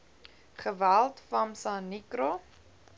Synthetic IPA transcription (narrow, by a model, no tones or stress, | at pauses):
χəvælˠtfɐmsanikɾo